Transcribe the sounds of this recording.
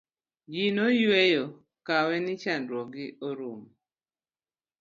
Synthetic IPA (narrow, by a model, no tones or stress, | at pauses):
d͡ʒinojwejo | kawɛnɪt͡ʃandɾwɔɡɪoɾom